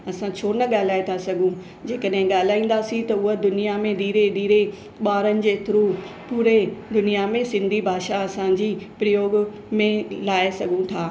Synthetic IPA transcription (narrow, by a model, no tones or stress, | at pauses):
ɐsãt͡ɕʰoːnɐɠaːl̤aːet̪ʰasɐɡʱũ | d͡ʑeːkəɗɦɪ̃ɠaːl̤aːĩːn̆d̪asĩt̪ɐʊɦəd̪ʊnijamẽd̪iːɾed̪iːɾe | ɓaːɾənɪ̆d͡ʑeːt̪ʊɾuː | puːɾed̪ʊnijamẽsɪ̃nd̪ʱibʱaːʃaɐsãd͡ʑiːpɾɐjoːɡ | mẽlaːesɐɡʱũt̪ʰaː